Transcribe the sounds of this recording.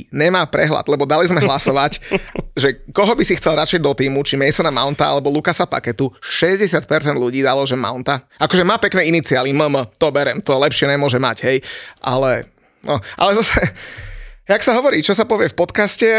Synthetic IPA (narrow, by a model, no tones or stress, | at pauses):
ɲɛmaːpɾɛɦla̰d̪̥lɛbɔd̪alizmɛɦlasɔʋacʒɛkɔɦɔbisixt͡sɛlɾat͡ʃɛjd̪ɔt̪iːmut͡ʃimɛjsɔnama̰ʊnt̪aa̰lɛbɔlukasapa̰kɛt̪uʃɛzɟɛsɪat̪̚pɛɾt͡sɛnd̪lʎuɟiːd̪alɔʒɛma̰ʊnt̪aakɔʒɛmaːpɛknɛːinit͡sialiməmət̪ɔbɛɾɛmt̪ɔlɛpʃɪɛɲɛmʊɔʒɛma̰ɟɦɛjʔa̰lɛ | nɔʔa̰lɛzasɛ | jaksaɦɔʋɔɾiːt͡ʃɔsapɔʋɪɛfpɔt̪kascɛ